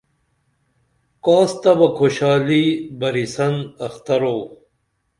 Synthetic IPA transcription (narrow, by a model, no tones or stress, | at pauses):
kaːst̪ɐbɐkʰoɕaːlibɐɾisɐnɐxt̪ɐɾoː